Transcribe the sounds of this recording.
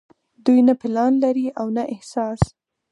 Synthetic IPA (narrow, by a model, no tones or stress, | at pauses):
d̪ujnapɪlɑnlaɾiʔawnaʔɪhsɑs